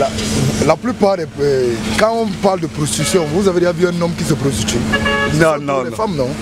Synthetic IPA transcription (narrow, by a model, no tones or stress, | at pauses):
lalaplypaːʁd̪ɛɛkãɔ̃paʁld̪əpɾost̪it̪ysjɔ̃vuzaved̪eʒãvyɛ̃nɔ̃mkis̬əpost̪it̪innd̪ɛfamnɔ̃